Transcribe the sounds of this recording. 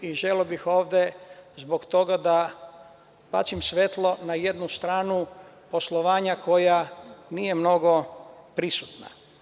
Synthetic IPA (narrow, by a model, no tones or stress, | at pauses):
iʒeleobixo̞ːʋd̪ezbokt̪o̞ɡad̪a | pa̰t͡ʃsimsʋet̪lo̞naje̞d̪nust̪ɾaːnu | po̞slˠoʋaːɲako̞janije̞mno̞ɡo̞pɾisut̪na̰